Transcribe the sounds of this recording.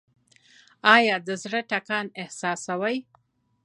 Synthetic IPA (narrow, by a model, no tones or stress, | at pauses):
ɑjɑd̪əzɽəʈakɑnɪhsɑsawaj